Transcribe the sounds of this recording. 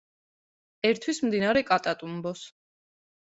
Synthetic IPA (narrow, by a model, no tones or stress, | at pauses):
ɛɾt̪ʰwismd̪inaɾɛkʼat̪ʼat̪ʼumbɔs